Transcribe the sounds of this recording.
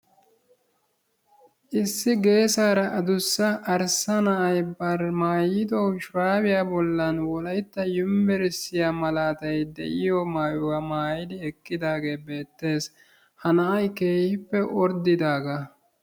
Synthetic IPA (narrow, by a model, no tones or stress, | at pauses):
ʔɪsːɪɡe̞ːsaːɾɐʔɐd̪ʊsːɐːɾsɐnɐʔɐjbɐɾmaːjɪd̪oʃɾaːwɪjaːbɔlːɐnwɔlɐjt̪ːɐjʊmbɛɾɪsːɪjaːmɐlaːt̪ɐjd̪ɛ̰ʔɪjɔmaːjʊwamaːjɪd̪ɪɛkːɪd̪aːɡe̞ːbe̞ːt̪ːe̞ːs | hɐnɐɐjke̞ːhɪpːɛʔɔɾd̪ɪd̪aːɡɐ